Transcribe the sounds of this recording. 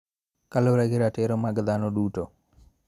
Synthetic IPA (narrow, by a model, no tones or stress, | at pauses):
kaloɾaɡɪɾatɛɾɔmaɡd̪anɔduto